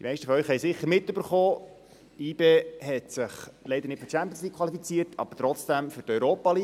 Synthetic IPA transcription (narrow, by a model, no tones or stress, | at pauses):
d̥imɛɪʃtəfɔœɥχɦɛjsɪχːəɾmɪtːøbəɾχoː | iːbeːɦɛtsɪχlɛɪd̪əɾnɪtfø̥t͡ʃæmpjənsliːkʰʋɑlifit͡siːətʰɑ̰b̥əɾtɾɔt͡sd̥æmfʏtœʏɾoːpɑliː